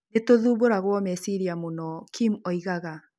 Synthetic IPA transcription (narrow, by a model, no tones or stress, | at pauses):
netoðuːβoɾaɣwɔmɛsiɾiamunɔkʰimɔiɣaɣa